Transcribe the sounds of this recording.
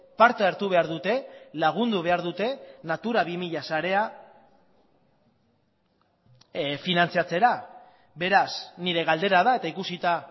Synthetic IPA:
paɾt̪aeɾt̪uβ̞e̞aɾðut̪e̞laɣ̞und̪uβ̞e̞aɾðut̪e̞nat̪uɾaβimiʎasaɾe̞a | finant͡siat͡se̞ɾa | be̞ɾasniɾe̞ɣald̪e̞ɾaðae̞t̪aikusit̪a

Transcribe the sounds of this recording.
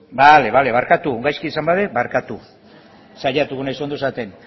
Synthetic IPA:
bale̞βale̞βaɾkat̪uŋɡajskiːsambaðebaɾkat̪u | saʎat̪uɣunaisond̪oesat̪e̞n

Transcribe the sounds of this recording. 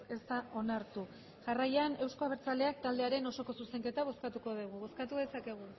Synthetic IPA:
esaʔo̞naɾt̪u | ʝarajane̞wsko̞aβeɾt͡sale̞ak̚t̪ald̪e̞aɾe̞no̞so̞ko̞suse̞ŋke̞t̪aβ̞o̞skat̪uko̞ðiɣ̞uβo̞skat̪uðe̞sake̞ɣ̞u

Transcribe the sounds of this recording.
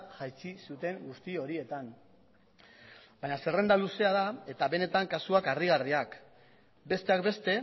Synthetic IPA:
ʝajt͡sisut̪e̞ŋɡust̪io̞ɾie̞t̪an | bajɲase̞re̞nd̪aluse̞aðae̞t̪aβe̞ne̞t̪aŋkasuakariɣ̞ariak | be̞st̪e̞akbe̞st̪e̞

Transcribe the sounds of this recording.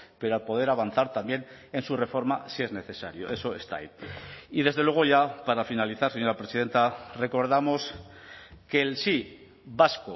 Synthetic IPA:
pe̞ɾoalpo̞ð̞e̞ɾaβ̞anθaɾt̪ambje̞n | e̞nsure̞fo̞ɾmasie̞zne̞θe̞saɾjo̞ʔe̞so̞e̞st̪a̰jiðe̞zð̞elwe̞ɣ̞o̞ʝapaɾafinaliθaɾse̞ɲo̞ɾapɾesið̞e̞nt̪are̞ko̞ɾðamo̞s | ke̞lsi | βasko

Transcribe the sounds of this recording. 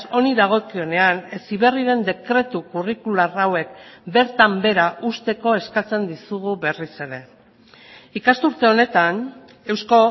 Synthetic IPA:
o̞niðaɣ̞o̞kio̞ne̞ane̞siβe̞riɾe̞nd̪e̞kɾe̞t̪ukurikularawe̞k̚be̞ɾt̪ambe̞ɾaʔust̪e̞ko̞e̞skat͡se̞nd̪isuɣuβe̞rise̞ɾe̞ | ikast̪uɾt̪e̞o̞ne̞t̪an | e̞wsko̞

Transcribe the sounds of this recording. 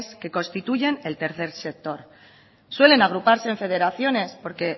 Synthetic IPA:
ske̞ko̞nst̪it̪uʝe̞ne̞lt̪e̞ɾθe̞ɾse̞k̚t̪o̞ɾ | swe̞le̞naɣ̞ɾupaɾse̞ːɱfe̞ð̞e̞ɾaθjo̞ne̞spo̞ɾke̞

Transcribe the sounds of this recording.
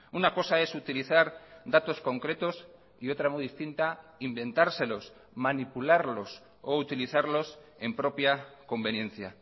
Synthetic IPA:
unako̞sae̞sut̪iliθaɾd̪at̪o̞sko̞ŋkɾe̞t̪o̞s | io̞t̪ɾamujðist̪int̪aimbe̞nt̪aɾse̞lo̞s | manipulaɾlo̞s | out̪iliθaɾlo̞se̞mpɾo̞pjako̞mbe̞njẽ̞nθja

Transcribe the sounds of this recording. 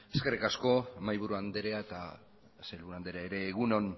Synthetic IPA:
eske̞rikasko̞majβuɾuand̪eɾeaet̪a | selβuɾuand̪eɾeaeɾe̞ːɣuno̞n

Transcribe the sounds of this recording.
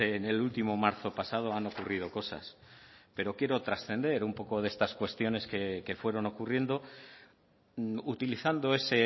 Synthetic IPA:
eːne̞lult̪imo̞maɾθo̞pasað̞o̞ano̞kurið̞o̞ko̞sa̰s | pe̞ɾo̞kje̞ɾo̞t̪ɾasθe̞nd̪e̞ɾumpo̞ko̞ðe̞st̪askwe̞st̪jo̞ne̞ske̞ke̞fwe̞ɾo̞no̞kurje̞nd̪o̞ | ut̪iliθand̪o̞e̞se̞

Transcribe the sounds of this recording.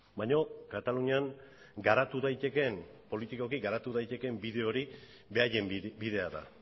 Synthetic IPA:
bajɲo̞kat̪aluɲiaŋ | ɡaɾat̪uðajt̪e̞ke̞mpo̞lit̪iko̞kiɡaɾat̪uðajt̪e̞ke̞mbiðe̞o̞ɾi | be̞aje̞mbiðe̞aða̰

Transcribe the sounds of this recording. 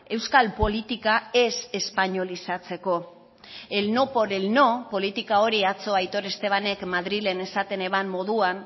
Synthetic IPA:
e̞wskalpo̞lit̪ikae̞se̞spaɲo̞lisat͡se̞ko̞ | e̞lno̞po̞ɾelno̞po̞lit̪ikao̞ɾiat͡so̞ajt̪o̞ɾe̞st̪e̞β̞ane̞kmaðɾile̞ne̞sat̪e̞ne̞βamːo̞ðuan

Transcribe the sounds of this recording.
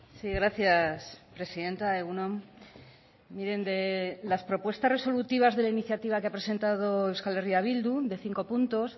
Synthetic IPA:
siɣɾaθjaspɾe̞siðe̞nt̪aeɣunõm | miɾe̞nd̪e̞laspɾo̞pwe̞st̪are̞so̞lut̪iβ̞azðe̞lainiθjat̪iβ̞akeapɾe̞se̞nt̪að̞o̞ewskaleriaβ̞ild̪uðe̞θiŋko̞punt̪o̞s

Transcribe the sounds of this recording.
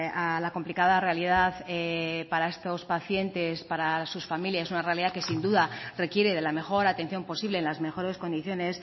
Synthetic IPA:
alako̞mplikaðare̞aliðaθepaɾae̞st̪o̞spaθje̞nt̪e̞spaɾasusfamiljasesunare̞aliðake̞sind̪uðare̞kje̞ɾe̞ð̞e̞lame̞xo̞ɾat̪e̞n̟θjo̞mpo̞siβleːnlazme̞xo̞ɾe̞sko̞nd̪iθjo̞ne̞s

